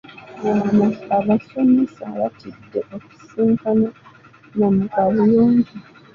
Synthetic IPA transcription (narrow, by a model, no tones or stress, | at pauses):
amaaβaso̞misaβa̰tʰidːeʔoku̥siːŋkana | mamukalijoːɲɟi